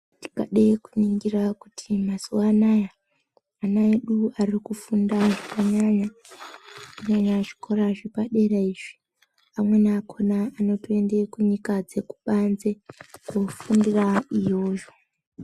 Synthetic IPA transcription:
ti̥kaɗeikuniŋɡirakutʰimasuwanaja | anaeɗuarikufundaʐakaɲaɲa | kuɲaɲaʐi̥kʰo̞ɾaʐepaɗe̞raiʐi̥ | amwe̞nakʰo̞naːno̞tie̞nde̞kuɲikad͡ze̞kuɓanzekofundiraijo̞ːʒo̞

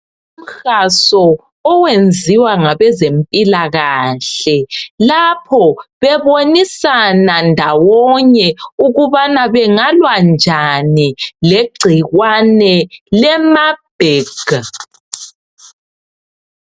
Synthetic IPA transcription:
um̩xasɔː | wend͡zʱiwaŋaβɛzempʼilaɣaɬɛlapʰɔβɛβonisanandʱawɔɲɛuɣuβanaβɛŋalwand͡ʒʱanileɡ͡ǀʱiɣwanɛlɛmab̥ʱeɡ̥ʱa

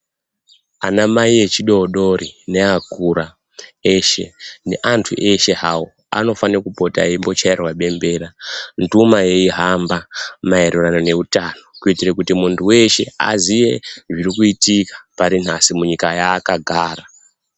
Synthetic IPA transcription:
anamaiet͡ʃiɗo̞ɗo̞ɾine̞akuɾa | eʃe̞ne̞̰ʔantʰṵʔe̞ʃe̞ɦawo | a̰no̞fanakupo̞ta̰imbo̞t͡ʃairwaɓe̞mbe̞ːɾantumaje̞iɦambamaeɾuranone̞utano̞kuitirekutimuntʰuwe̞ʃe̞a̰zije̞ʐiɾikuitikḁpaɾinasimuɲikajaːkaɡʱaːra

